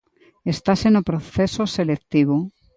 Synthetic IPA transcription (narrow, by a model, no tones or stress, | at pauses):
est̪asenopɾoθesoselekt̪iβ̞o